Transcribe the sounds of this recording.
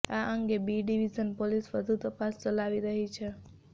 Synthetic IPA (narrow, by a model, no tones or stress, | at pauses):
aʔəŋɡebiɖiʋid͡ʒənpolisʋəd̪ʱut̪əpast͡ʃəlaʋiɾəɦit͡ʃʰe